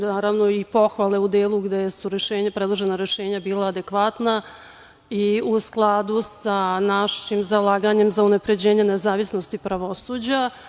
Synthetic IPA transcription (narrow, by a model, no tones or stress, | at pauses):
naːɾaʋno̞ipo̞xʋalˠe̞ud̪eːlˠuɡd̪esuɾeʃe̞ːɲapɾed̪lˠoʒe̞naɾjeʃe̞ːɲabiːlˠaːd̪e̞kʋat̪na | iusklˠaːd̪usanaʃimzalˠaːɡaɲe̞mzaunapɾe̞d͡ʑe̞ːɲe̞nezaːʋisnost̪ipɾaʋo̞suːd͡ʑa